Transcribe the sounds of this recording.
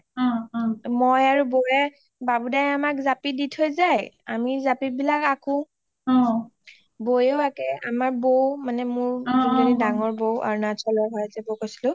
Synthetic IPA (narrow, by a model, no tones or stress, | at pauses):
mojaɹubojɛ | babudajamakzapiditʰojzaja̰mizapibilakakũ | bojeʊakɛamaɹbowmanɛmʊɹiɡenidaŋɔɹbowʔa̰ɹunasʰɔlɔbʱajzɛbokosi̥lʊ̃